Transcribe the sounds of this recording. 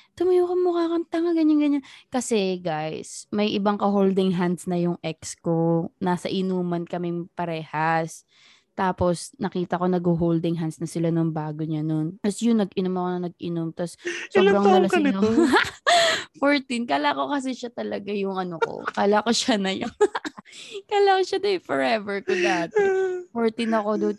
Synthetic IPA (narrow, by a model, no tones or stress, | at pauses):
t̪ʊmɪjukɐmʊkaːkɐnt̪aŋɐɡɐɲaŋɡɐɲankɐsɛɡajsmɐjʔɪbaŋkɐɦold̪ɪŋɦand̪snɐjʊŋʔɛkskonaːsɐ̰ʔɪnuːmɐnkɐmɛŋpɐɾɛːhɐs | t̪aːpo̞snɐkiːt̪ɐko̞nɐɡhoɦowld̪ɪŋɦansnɐsɪlanʊŋbaːɡoɲɐnont̪ɐsjʊnɐɡɪnomɐkonɐnɐɡʔɪnomt̪ɐsːobɾɐŋnɐlɐ | foɹt̪inkaːlako̞kɐs̬ɛʃat̪ɐlɐɡajʊŋʔɐnoko̰kaːlakoʃanɐjʊŋ | kaːlakoʃad̪ɐfɔɹɛvɛɹkʊd̪aːt̪ɛfoɹt̪ɪnɐko̞d̪o